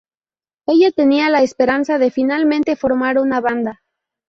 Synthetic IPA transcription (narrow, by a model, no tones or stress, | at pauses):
e̞jʝat̪e̞nialaespe̞ɾansaðe̞finalmẽ̞nt̪e̞fo̞ɾmaɾunaβand̪a